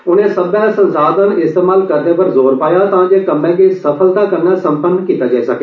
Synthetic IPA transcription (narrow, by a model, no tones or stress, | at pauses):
ʊnẽːsəbɛ̃ːsə̃nsaːd̪ə̃nɪst̪eːmaːlkəɾd̪eːpəɾzoːɾpaːjaːt̪ãːd͡ʒeːkəmːɛ̃ːkeːsəpʰəld̪aːkənːaːsə̃mpənkiːt̪aːd͡ʒaːiːsəkeː